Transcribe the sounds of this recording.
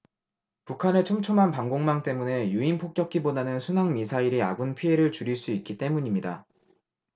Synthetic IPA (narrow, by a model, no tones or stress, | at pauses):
pukʰanet͡ɕʰomt͡ɕʰomanpaŋɡoŋmaŋt͈e̞mune̞juinpʰok͈jʌkʰibodanɯnsʰunaŋmisʰaiɾia̰ɡunpʰie̞ɾɯɭt͡ɕuɾiɭs͈uik͈̚it͈e̞muɲimɲida̰